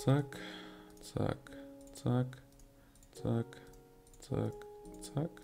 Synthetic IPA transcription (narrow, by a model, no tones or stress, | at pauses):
t͡sakt͡sa̰kt͡sak | t͡sak | t͡sa̰kt͡sak